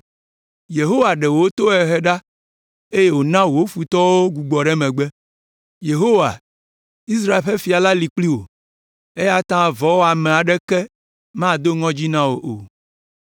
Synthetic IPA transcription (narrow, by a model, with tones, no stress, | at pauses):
je˨ɦo˦wa˨ɖɛ˨wo˨˦o˦t̪o˦ɛ˨ɦɛ˦ɖa˦ | e˦je˦wo˨nã˦wo˨o˦fu˨t̪ɔ˦wo˦ɡu˨ɡ͡bɔ˨ɖɛ˦mɛ̃˨ɡ͡bɛ˦ | je˨ɦo˦wa˨ | i˦s̬ɾa˦e˨lɸe˦fi˨a˨la˦li˨k͡pli˦wo̰˨ | e˦ja˦t̪ã˦˨vɔ˦wo˦a˨mɛ̃˨a˨ɖɛ˦kɛ˦ | mã˦˨d̪o˦ŋɔ̃˦d͡ʑi˦nã˦wo˨ʔo̰˨